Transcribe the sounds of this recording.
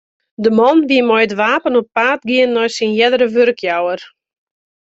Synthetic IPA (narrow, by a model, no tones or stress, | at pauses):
dəmɔnʋiəmɔjətʋaːpənɔpːaːtɡiənːɔjsinjɛdəɾəʋørkʰjawər